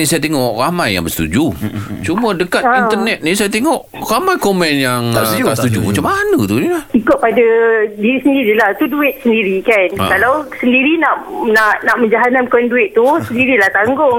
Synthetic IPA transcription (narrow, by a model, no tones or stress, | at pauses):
nisajat̪eŋɔʔramajːa̰ŋbəst̪ṵd͡ʒut͡ʃumədəkatint̪ərnɛt̪̚nĩsajat̪eŋɔʔ | ramajkomɛnjaŋast̪ud͡ʒṵmat͡ʃamːanət̪unilahikʊʔ̪̚padadiɾisəndiɾilat̪uduɪt̪̚səndiɾikan̰kalawsəndiɾinaʔnaʔnaʔmə̃ɲd͡ʒaɦanankɔnduɪt̪̚t̪ːusəndiɾilaht̪aŋɡʊŋ